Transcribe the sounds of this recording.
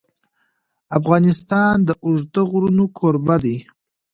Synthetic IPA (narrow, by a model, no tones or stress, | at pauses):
afɣɑnɪst̪ɑnd̪əʔʊʐd̪əɣɾunokʰoɾbad̪i